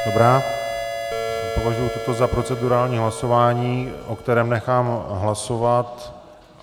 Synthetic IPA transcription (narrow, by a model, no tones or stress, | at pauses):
d̥o̞bɾaː | po̞vaʒujut̪ot̪o̞zapɾo̞t͡sɛduɾaːlɲiːɦlaso̞vaːɲiːʔo̞kt̪ɛɾɛːmnɛxaːmɦlaso̞vat̪